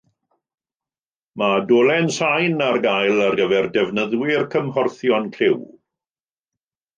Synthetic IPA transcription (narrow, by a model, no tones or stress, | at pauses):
madolˠɛnsajnarɡajlˠarɡəvɛrdɛvnəðwɪrkʰəmhɔrθjɔnkʰɪw